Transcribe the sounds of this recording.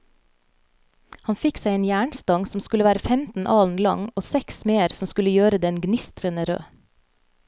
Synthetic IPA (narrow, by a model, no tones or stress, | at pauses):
hɑnfɪksæɪeːnjæːɳst̪ɑŋsɔmskʉləʋæːɾəfɛmt̪n̩ʔɑːln̩lɑ̰ŋoːsɛksmeːəɾsɔmskʉləjøːɾəd̪ɛnɡnɪst̪ɾənəɾø̰ː